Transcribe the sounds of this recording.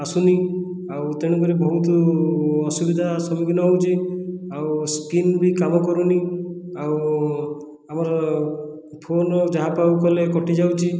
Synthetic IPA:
asuni | awt̪eɽ̃ukuɾebʱɔɦut̪̬ɔː | subid̪ʱasɔmiɡnɔɦowt͡ʃʰiawskinbikamɔkɔɾuniaw | amɔɾɔ | pʰonɔd͡ʒaɦapawkɔlekɔʈid͡ʒawt͡ʃʰi

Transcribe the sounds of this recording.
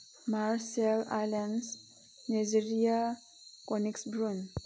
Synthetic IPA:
maɾsɛla̰lans | nad͡ʒiɾia | koniksbɾun

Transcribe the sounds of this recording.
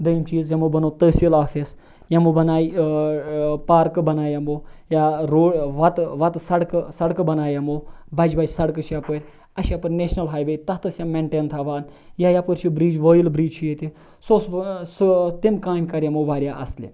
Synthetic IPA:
d̪ɐjimt͡ʃiːzjɐmobɐnoːt̪əːsilaːfis | jɐmobɐnaːj | paːɾkɨbɐnaːjɐmoːjaɾoːʋɐt̪ʋɐt̪sɐɽksɐɽkɨbɐnaːjɐmoːbɐd͡ʒbɐd͡ʒsɐɽkɨʃʰjɐpəɾʲ | ɐʃɐpɨɾʲneːʃnɐlɦaːjʋəjt̪ɐht̪ɐsʲjɐmeɳʈeːnt̪ʰaːʋaːnjaːjapəɾʲt͡ʃʰibɾiːd͡ʒʋoːjilbɾiːd͡ʒt͡ʃʰujet̪ʲi | soːsst̪imkaːmʲkɐɾʲjɐmoʋaːɾjaːʔɐslḭ

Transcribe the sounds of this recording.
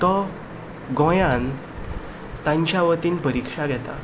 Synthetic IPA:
t̪ɔ | ɡɔ̃jãn | t̪ãɲt͡ɕjaʋət̪iːnpəɾikʂaɡʱɛt̪a̰

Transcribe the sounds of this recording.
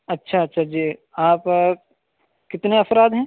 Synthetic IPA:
ɐtːʃʰaɐtːʃʰad͡ʒiːaːp | kɪt̪neɐfɾaːd̪ɦɛ̃ː

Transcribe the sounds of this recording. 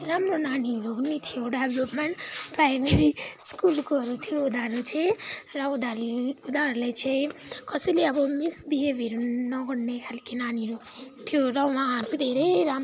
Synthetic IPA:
ɾamɾonaniɾonit̪ʰijoɖeblopmeɳʈpɾajmeɾiskulkoʌɾut̪ʰijoːd̪aɾot͡ʃʰeɾʌud̪aud̪aɾlet͡ʃʰekʌsileʌbɔmisbiɦebiɾunʌɡɔɽnekʰalkinaniɾo | t̪ʰijoɾʌwãɾud̪ʱeɾeɾam

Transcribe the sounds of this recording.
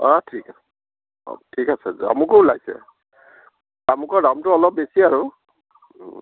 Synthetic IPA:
ɔtʰika̰ | tʰikasɛzṵa̰mʊkolajsɛ̰ | amʊkɔdamtʊɔlɔp̚besiaɹʊ

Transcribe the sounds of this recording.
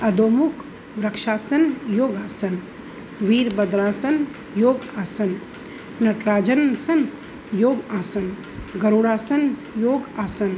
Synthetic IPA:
ɐd̪oːmukʰ | ʋɾɐkʃaːsɐnjoːɡaːsɐn | ʋiːɾbɐd̪ɾaːsɐn | joːɡaːsɐn | nɐʈɾaːd͡ʒɐnsɐn | joːɡaːsɐn | ɡɐɾuɽaːsɐn | joːɡaːsɐn

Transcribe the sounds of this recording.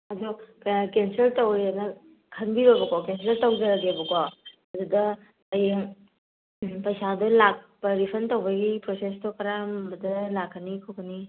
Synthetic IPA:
ɐdupakenseltowenɐ | kʰɐnbiɾojbɐkɔkenseɾtɐwd͡ʒɐɾɐɡebɐkɔ | ɐdudɐ | ɐj | pɐjsadulak̚pɐɾipʰɐntɐwbɐɡipɾosestokɐɾambɐdɐlakʰːɐnikʰokɐni

